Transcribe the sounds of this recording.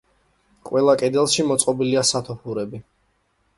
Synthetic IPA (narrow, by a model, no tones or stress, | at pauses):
kʼwɛlˠakʼɛd̪ɛlˠʃimɔt̪sʼqʼɔbiliasat̪ʰɔpʰuɾɛbi